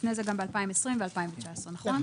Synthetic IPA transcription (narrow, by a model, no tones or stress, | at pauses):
fnezeɡambealpaimesʁimvealpaiɱvet͡ʃaesʁenaχʁon